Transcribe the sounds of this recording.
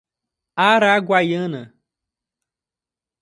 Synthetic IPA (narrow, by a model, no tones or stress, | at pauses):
aɾaɡwajə̃nɐ